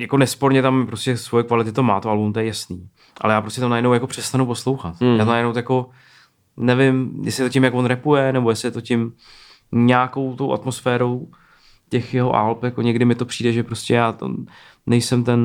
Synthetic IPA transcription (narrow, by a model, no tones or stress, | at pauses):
jako̞nɛspo̞ɾɲɛt̪amːɪpɾo̞scɛsvo̞jɛkvalɪt̪ɪt̪omaːt̪oalunt̪ojɛjasniː | ʔa̰lɛjaːpɾoscɛt̪amnajɛdnowjako̞pr̝̥ɛst̪anupo̞slo̞wxat̪jaːt̪onajɛdnowt̪jako̞ | nɛvɪmjɛ̰slɪɛt̪ocɪmjakvo̞nɾɛpujɛnɛbo̞jɛsɪt̪o̞cɪm | ɲaːko̞wt̪o̞wʔa̰t̪mosfɛːɾo̞w | cɛxjɛɦo̞̰ʔa̰lpjako̞ɲɛɡdɪmɪt̪o̞pr̥iːdɛʒɛpɾoscʲɛjaːt̪o̰ | nɛjsɛmt̪ɛn